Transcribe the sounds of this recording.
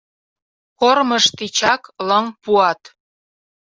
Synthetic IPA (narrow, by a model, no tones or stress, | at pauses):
korməʃt̪it͡ɕɑkləŋpuɑt̪